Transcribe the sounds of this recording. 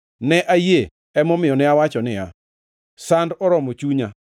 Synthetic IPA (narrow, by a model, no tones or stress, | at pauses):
nɛʔaje | ɛmɔmɪjɔnɛawat͡ʃɔnɪa̰ | sandɔɾɔmot͡ʃuɲa